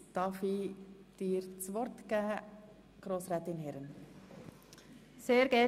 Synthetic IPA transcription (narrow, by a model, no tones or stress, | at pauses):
d̥ɑfid̥iːɾt͡sʋɔɾtɡ̥æː | ɡ̥ɾoːsɾɛːtɪnɦɛɾən | seːɾɡ̥ɛ